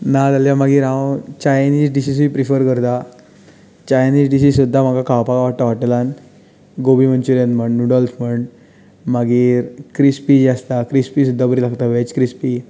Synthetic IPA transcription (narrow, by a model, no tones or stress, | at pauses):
nad͡zaljamaɡiːɾɦãwt͡ɕajniːd͡ʑɖisis̬ʋiːpɾifəɾkəɾt̪a | t͡ɕajniːd͡ʑɖisissud̪ʱːam̤aɡakaʋpaɡaʋaʈt̪aʋaʈlan | ɡobiːməɳt͡ɕuɾent̪m̤əɳɖnuɖɔlsm̤əɳɖ | maɡiːɾkɾispid͡ʑiast̪akɾispisud̪ʱːabəɾilaɡt̪aʋet͡ɕkɾispi